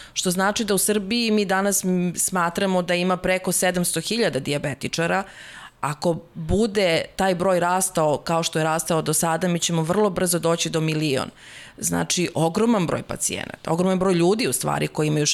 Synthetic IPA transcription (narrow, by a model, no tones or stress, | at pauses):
ʃt̪o̞znaːt͡ʃid̪ausr̩biːmiːd̪anasːmaːt̪ɾamo̞d̪aimapɾeko̞sed̪amst̪o̞xiʎad̪ad̪iabet̪it͡ʂaɾa | ako̞bud̪et̪aːjbɾo̞ːjɾaːst̪aokaoʃt̪o̞jeɾaːst̪aod̪osad̪amit͡ɕemoʋr̩lˠo̞br̩zo̞d̪oːt͡ɕid̪o̞milio̰n | zna̰ːt͡ʃiʔoɡɾo̞manbɾo̰jpa̰t̪sḭḛna̰t̪ao̞ɡɾomanbɾojʎuːd̪iust̪ʋa̰ːɾʔikojiimaju